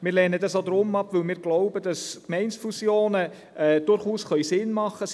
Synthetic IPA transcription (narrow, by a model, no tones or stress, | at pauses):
mɪːɾlɛːnədɑsod̪ɾʊmɑpʋɵlmɪːɾɡ̥lɔʊbəd̥ɑskmɛɪnsfusjoːnə | ɛd̥ʊɾχuːsχœʏsɪnmɑχːə